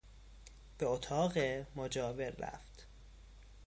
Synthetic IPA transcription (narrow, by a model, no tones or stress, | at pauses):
b̥eot̪ʰɒːɣemod͡ʒɒːveɾːæ̰ft̪